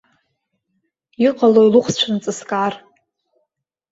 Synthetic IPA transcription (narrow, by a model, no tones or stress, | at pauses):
iqʼalojluχʷst͡ʃʷʰant͡sʼɨskʼar